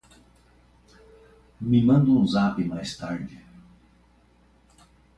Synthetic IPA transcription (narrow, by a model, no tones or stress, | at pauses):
mɪmɐ̃nd̪uũzapɪmajst̪aɾd͡ʒɪ